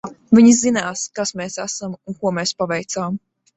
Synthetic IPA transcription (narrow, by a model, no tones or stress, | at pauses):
vʲiɲizinaːskasmɛːsæsamunkuɔmɛːspavɛjt̪saːm